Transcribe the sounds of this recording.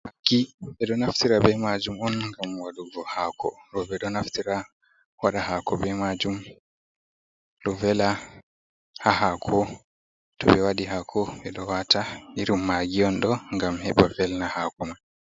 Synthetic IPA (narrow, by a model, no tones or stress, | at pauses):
ʔakːiɓɛɗɔnaftiɾabɛmad͡ʒumɔnŋɡamwaɗuvɔhakʰɔ̰ɾɔbɛɗɔnaftiɾa | waɗahakɔbɛmad͡ʒum | lɔvɛla | hahakʰɔ | tɔɓɛwaɗiɦakʰɔɓɛɗɔwatʰahiɾimːaɡiɔnɗɔŋɡamhɛɓavɛlnahakɔma